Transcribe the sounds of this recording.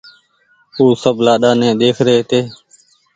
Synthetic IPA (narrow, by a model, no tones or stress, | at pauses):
uːsəblaːɗaːnɛ̃ːɗ̪eːkʰɾeːt̪eː